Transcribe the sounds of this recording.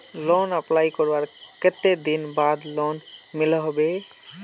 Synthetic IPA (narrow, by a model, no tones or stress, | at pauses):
lonəplajkɔɾbaɾket̪ed̪inbad̪lonmilɔɦɔbe